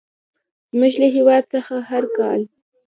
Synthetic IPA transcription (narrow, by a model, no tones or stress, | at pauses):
z̥məʃlaɦiwɑd̪̚səxaɦaɾkɑ̰l